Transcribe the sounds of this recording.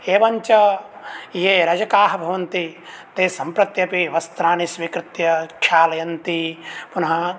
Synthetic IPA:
eːʋɐɲt͡ʃɐ | iɦeːɾɐd͡ʒɐkaːɦɐbʱɐʋɐnt̪it̪eːsɐmpɾɐt̪jɐpiʋɐst̪ɾaːnisʋikɾɪt̪jɐkʰjaːlɐjɐnt̪ipunɐɦɐ

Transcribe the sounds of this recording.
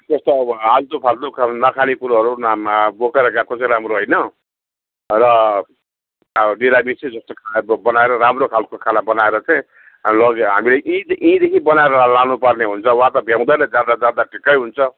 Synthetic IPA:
t̪ʌst̪ʌad͡zt̪opʰalt̪okʰanʌkʰanikuɾɦʌɾunmbokeɾʌɡakot͡saĩɾamroɦojnʌ | rʌ | ɖiɾamit͡sĩd͡zʌst̪okʰabʌnaeɾʌɾamrokʰalkokʰalabʌnaeɾʌt͡saĩ | lʌɡɦa̰mileʔĩʔĩd̪ekʰibʌnaeɾʌlanupʌrneɦunt͡sʰʌwɦãt̪ʌbʱjaw̃d̪ʌjnʌd͡zad̪ad͡zaɾd̪aʈʰikːʌjɦunt͡sʰʌ

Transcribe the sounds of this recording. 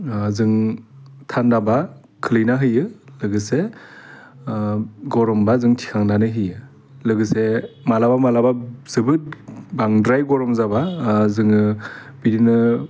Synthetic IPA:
zɯŋtʰandaba | kʰɯlɯjnaɦɯjɯlɯɡɯse | ɡɔɾɔmbazɯŋtʰi̥kʰaŋdanɯɦɯjɯ | lɯɡɯsemalabamalabaz̥ɯbɯt̚baŋdɾajɡɔɾɔmzabazɯŋɯbidinɯ

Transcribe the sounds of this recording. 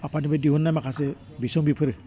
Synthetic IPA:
apʰanibadiɦunːajmakʰase | bisɔŋbipʰɯɾɯ

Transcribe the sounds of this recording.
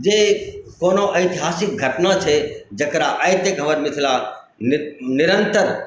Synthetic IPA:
d͡ʒekoːnoʔɐɪt̪iɦaːsɪk̚ɡʱɐʈnat͡ʃʰed͡ʒɐkɾaʔaːjt̪jəkɦɐʋəɾmɪt̪ʰila | nɪɾənt̪əɾ

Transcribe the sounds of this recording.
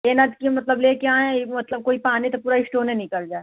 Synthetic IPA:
eːnad͡ʒkiemɐt̪ləbleːkeãːɦɛ̃mɐt̪ləb̚koːipaːnit̪opuːɾaɪsʈoːnɦẽnĩkɐɾd͡ʒaːe

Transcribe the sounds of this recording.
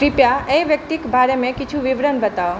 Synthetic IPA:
ɾɪpjaẽʋjək̚t̪ikbʱaɾemẽkɪt͡ʃʰũʋɪʋɾənbət̪ao

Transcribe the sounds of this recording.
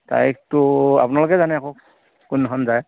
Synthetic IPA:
ta̰jktʊa̰pʊnalʊkɛzanɛakok | kunːɔɦɔnzaj

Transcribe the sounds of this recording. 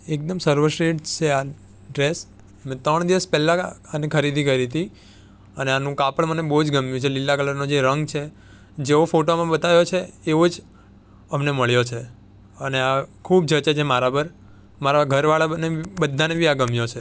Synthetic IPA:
ek̚d̪əmsəɾʋəɾʃɾeʈt͡ʃʰea | ɖɾes | mẽt̪ɾəɳd̪iʋəspɛlːãanekʰəɾid̪ʱikəid̪it̪i | əneanũkapəɭmənebəɦud͡ʒɡəmjũt͡ʃʰelilːakələɾnod͡ʒeɾəŋɡt͡ʃʰe | d͡ʒeofoʈomãbət̪aʋjot͡ʃʰeːʋod͡ʒ | əmneməɭjot͡ʃʰe | əneakʰub̚d͡ʒət͡ʃet͡ʃʰemaɾapəɾ | maɾaɡʱəɾʋaɭanebəd̪ʱːanebʱiaɡəmjot͡ʃʰe

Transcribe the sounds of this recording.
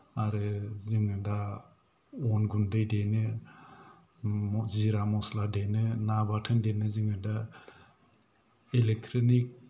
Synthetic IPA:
aɾɯzɯŋɯda | ɔnɡundɯjdenɯ | ziɾamɔsladenɯnabatʰɯndenɯzɯŋɯda | elek̚tʰɾɔnik̚

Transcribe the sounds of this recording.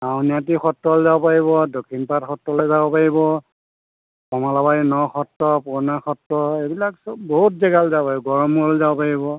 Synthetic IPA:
aʊniatixɔtːɔlzaopaɹiβɔdokʰinpatxɔtɹɔlɛzabɔpaɹibɔ | kɔmalabainɔxɔtːɔpuɹnaxɔtːɔebilaksɔboɦut̚zɛɡalzapaibɔɡɔɹɔmuɔlzabɔpaɹibɔ

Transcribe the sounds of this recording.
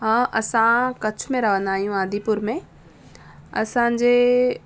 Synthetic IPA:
ɦãʔɐsãkɐt͡ɕʰʊmẽɾɐʋ̤ə̃nd̪aːɦijũaːd̪ʱipʊɾmẽ | ɐ̰sãd͡ʑeː

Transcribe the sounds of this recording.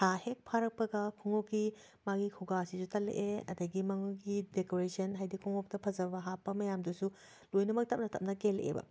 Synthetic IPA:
tʰahek̚pʰaɾɐk̚pɐɡɐkʰuŋokːi | maɡikʰuɡasisutɐlḛʔeɐ̰dɐɡimɐŋuɡidekoɾesɐnɦajdikʰuŋok̚tɐpʰɐzɐbɐɦapːɐmɐjamdusu | lojnɐmɐk̚tɐp̚nɐtɐp̚nɐkelʔḛbɐ̰

